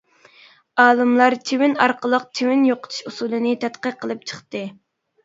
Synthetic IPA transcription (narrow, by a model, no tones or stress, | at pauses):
ɑːlˠɨmlˠɑɾt͡ʃʰewɪnɑɾqʰəlˠəq̚t͡ʃʰewɪnjoqʰə̥t̪ʰu̥ʃusulˠɨnɨt̪ʰɛt̪qəqʰːəlˠɨp̚t͡ʃʰə̥χt̪ɨ